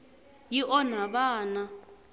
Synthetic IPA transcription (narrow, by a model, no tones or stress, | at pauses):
jiʔɔn̤aβaːna